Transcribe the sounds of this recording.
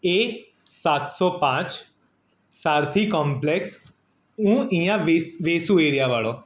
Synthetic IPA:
eː | saːt̪sɔpãːt͡ʃ | saːɾt̪ʰikɔ̃ːmpleks | ũːĩjãʋisʋeːsũeːɾjaʋaːɭo

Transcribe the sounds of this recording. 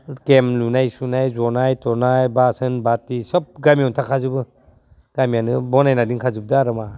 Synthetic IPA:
kemlunajsunajzɔnajtɔnajbasɯnbatisɔp̚ɡamijɔntʰakʰazɯbɯ | ɡ̥amijanɯbɔnajnadiŋkʰazɯb̚daaɾɯma

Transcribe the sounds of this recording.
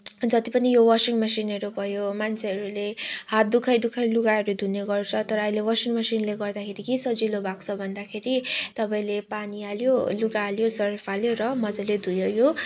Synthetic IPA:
d͡zʌt̪ipʌnijowʌsiŋmʌsinʌɾubʱʌjomant͡sʰeʌɾulehat̪̚d̪ukʰʌjd̪ukʰʌjluɡaeɾud̪ʱuneɡʌrt͡sʰʌt̪ʌɾʌːjlewʌsiŋmʌsinleɡʌrd̪akʰeɾikisʌd͡zilobʱakt͡sʰʌbʱʌnd̪akʰeɾit̪ʌpaĩlepanialjoluɡaːljosʌɾipʰaljoɾʌmʌd͡zʌled̪ʱujʌjo

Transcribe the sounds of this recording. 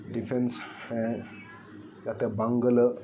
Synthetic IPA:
ɖifʰensɛ̃ | jat̪ebãŋɡələ

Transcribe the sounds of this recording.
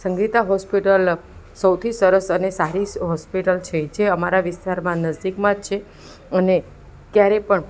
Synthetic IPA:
sə̃ŋɡit̪aɦɔspiʈəlsəwt̪ʰisəɾəsənesaɾiɦɔspiʈəlt͡ʃʰed͡ʒeəmaɾaʋɪst̪aɾmãnəzd̪ikmãd͡ʒt͡ʃʰe | əne | kjaɾepəɳ

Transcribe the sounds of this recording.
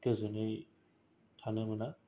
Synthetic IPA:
kezɯnɯj | tʰanɯmɯna

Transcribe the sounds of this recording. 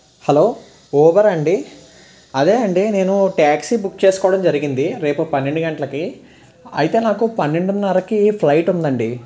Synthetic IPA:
hɐloː | oːʋɐɾɐɳɖi | ɐd̪eːɐɳɖine̞ːnuʈaːksibuk̚ːt͡ʃeːsu̥kɔːɐɽɐmd͡ʒɐɾiɡind̪iɾe̞ːpupɐnːeɳɖuɡɐɳʈɐlɐki | ɐ̰jt̪e̞ːnaːkupɐnːeɳɖunnɐɾɐkiːplɐjʈund̪ɐɳɖi

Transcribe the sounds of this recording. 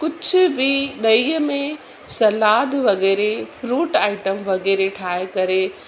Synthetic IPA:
kʊd͡ʑʱʊ̆bɪɗɐiːəmẽ | sɐlaːd̪ʋɐɣɛːɾefɾuːʈaːɪʈəmʋɐɣɛːɾeʈʰaːekɐɾe

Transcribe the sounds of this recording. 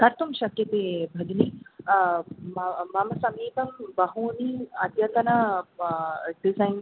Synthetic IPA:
kɐɾt̪umʃɐkjɐt̪eːbʱɐɡni | mɐmɐmɐsɐmiːpɐmbɐɦuːniːɐt̪jɐt̪ɐnɐ | ɖisɐjn

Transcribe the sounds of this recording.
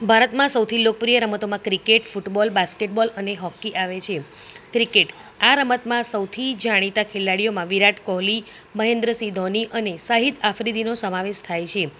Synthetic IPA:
bʱaɾət̪mãsəwt̪ʰilok̚pɾijəɾəmət̪omãkɾikeʈfuʈbɔlbaskeʈbɔləneɦɔkːiʔaʋet͡ʃʰe | kɾikeʈ | aɾəmət̪mãsəwt̪ʰid͡ʒaɽ̃it̪akʰelaɽijomãʋiɾaʈkɔɦli | məɦẽnd̪ɾəsid̪ʱɔniʔənesaɦit̪afɾid̪ʱinosəmaʋeʃt̪ʰajt͡ʃʰe

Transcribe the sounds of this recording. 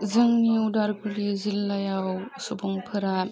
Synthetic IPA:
zɯŋniudaɾɡulizilːajawsɔbɔŋpʰɯɾa

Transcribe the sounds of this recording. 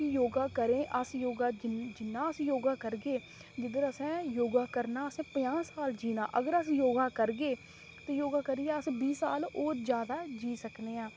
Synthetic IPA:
ijoːɡaːkəɾẽːʔəsjoːɡaːd͡ʒd͡ʒɪnːãːəsjoːɡaːkəɾɡeː | d͡ʒɪd̪əɾəsɛ̃ːjoːɡaːkəɾnaːəsɛ̃ːpəjãːsaːld͡ʒiːna̰ːʔəɡəɾəsjoːɡaːkəɾɡeː | t̪ẽːjoːɡaːkəɾiːɛːəsbiːsaːloːɾd͡ʒjaːd̪aːd͡ʒiːsəkneːãː

